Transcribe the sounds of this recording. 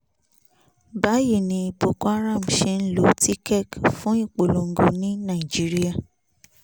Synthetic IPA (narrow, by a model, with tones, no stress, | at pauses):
ba˨˦je˦˨nĩ˧i˧bo˨kɔ˦a˦ɾã˦˨m̩˨ʃe˧n̩˦lo˨˦ti˦kɛ˦˨kfũ˦i˦˨k͡po˨lo˨ŋ̩˦ɡo˧nĩ˦nã˦˨i˨d͡ʒi˦ɾi˦a˦˨